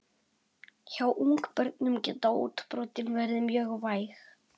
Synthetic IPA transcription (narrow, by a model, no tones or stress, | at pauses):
çawʔuŋkpœɾt̪nʏmcɛːt̪awṵːt̪pɾɔwt̪ɪnvɛɾðɪmjœːɣvaːjx